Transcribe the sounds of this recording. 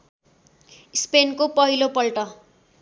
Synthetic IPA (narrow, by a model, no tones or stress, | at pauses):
ispenkopʌɦilopʌlʈʌ